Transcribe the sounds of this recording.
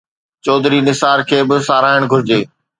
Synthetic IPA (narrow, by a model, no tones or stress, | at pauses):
t͡ɕɔːd̪ɾinɪsaːɾkʰeːbɪsaːɾaːɪɽ̃ɡʱʊɾɪd͡ʑeː